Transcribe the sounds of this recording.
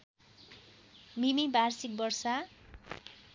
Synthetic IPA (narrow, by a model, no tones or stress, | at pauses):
mimibarsik̚bʌrsa